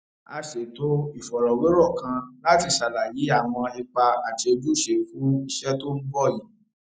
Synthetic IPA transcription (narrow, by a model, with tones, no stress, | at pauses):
a˧ʃe˨to˦i˨fɔ˨ɾɔ˨we˨˦ɾɔ˦˨kã˧la˦ti˧˨ʃa˨la˨ji˨˦a˦˨w̃ɔ̃˧ɛ˧k͡pa˧a˨ti˧o˧d͡ʒu˦˨ʃe˧fũ˨˦i˧ʃɛ˦to˦n̩˦ɡ͡bɔ˦˨ji˨˦